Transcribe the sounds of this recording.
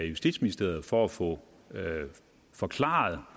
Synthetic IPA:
jusd̥ḭd̥sminisd̥e̝ɐð̩ˠfɒæfɔ | fɒ̽kʰlɑ̰̈ːð̩ˠ

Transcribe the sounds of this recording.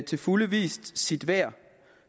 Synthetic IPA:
t͡sʰe̝fuləʋḭːsd̥sid̥ʋæɐ̰

